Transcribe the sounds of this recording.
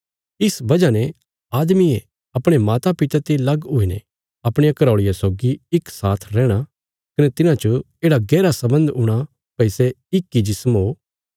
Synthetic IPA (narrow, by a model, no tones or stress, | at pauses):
ɪsbɐd͡ʒanɛ | aːd̪mie | ɐpɽ̃emaːt̪apɪt̪at̪elɐɡʊinɛ̰ | ɐpɽ̃ejakɐɾaːɭɪjasoːɡiɪksaːt̪ʰɾɛːɽ̃a | kɐnɛt̪ɪnãt͡ʃə | eːɽaɡɛːɾasɐbə̃nd̪ʊɽ̃a | pɐɪseɪkːid͡ʒɪsəmɦoː